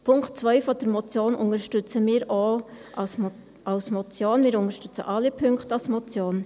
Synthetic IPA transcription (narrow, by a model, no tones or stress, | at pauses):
pʰʊŋktt͡sʋœʏfɔd̥̪əɾmɔt͡sjoːnʔʊŋəɾʃtʏt͡səmiːɾoː | ɑlsmɔt͡sjoːnmɪːɾʊŋəɾʃtʏt͡sə̰ʔɑlipʰʏŋktɑlsmɔt͡sjoːn